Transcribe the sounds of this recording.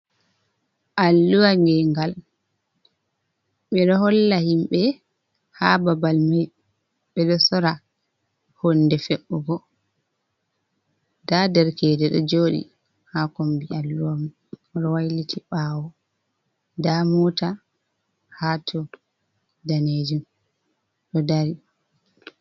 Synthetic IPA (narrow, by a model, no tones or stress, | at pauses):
ʔalːuwaŋɡɛŋɡal | ɓɛɗɔhɔlːahimɓɛ | hababalmaj | ɓɛɗɔsɔɾa | honːdɛfɛɓːɔɡɔ | dadɛɾkɛːdɛɗɔ̰d͡ʒoːɗḭ | hakɔmbialːuwamu | ɔɗɔwajlitʰiɓaːwɔ | damɔta | hatʰɔ | daned͡ʒum | ɗɔdaɾi